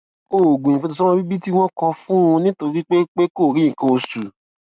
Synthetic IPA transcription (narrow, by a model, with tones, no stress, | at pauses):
o˦˨o˨ɡũ˨jĩ˨fɛ˧to˧sɔ̃˦ɔ̃˦bi˦bi˦ti˦w̃ɔ̃˦kɔ̃˧fũ˦ũ˧nĩ˦to˧ɾi˦k͡pe˦k͡pe˦ko˦˨ɾĩ˨˦ĩ˨kɔ̃˧o˧su˨